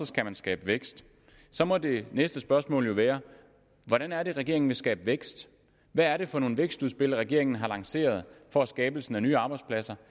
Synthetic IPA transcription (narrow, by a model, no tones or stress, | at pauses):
ɒ̽sɡ̥æmænsɡ̥ɛ̰ːb̥əʋeɡ̥sd̥ | sɒ̽mɒ̽d̥e̝nesd̥əsb̥ɶɐsmɔ̰̽ːljo̝ʋæːɐ | ʋɒɾ̥ænæɐɾe̝ʁɛɡ̥e̝ɐ̰e̝ŋn̩ʋe̝sɡ̥ɛ̰ːb̥əʋeɡ̥sd̥ | ʋæːɐɾe̝fɒ̽no̝ːn̩ʋeɡ̥sd̥uðˠsb̥e̝l̰ˠʁɛɡ̥e̝ɐ̰eŋn̩ɦɑ̈lɑ̈ŋse̝̰ːɐð̞̩ˠfɒ̽æsɡ̥ɛːb̥l̩sn̩ænyːɑ̈ːb̥ɑ̈ɪd̥spʰlæsɐ